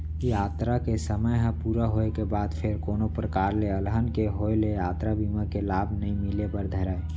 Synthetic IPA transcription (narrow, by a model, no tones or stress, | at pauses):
kijaːt̪ɾakesəməjɦə̃puːɾaɦoekebaːd̪pʰeɾkoːnopɾəkaːɾleəlɦənkeɦoelejaːt̪ɾabiːmakelaːbʱnəĩmɪlepəɾd̪ʱəɾae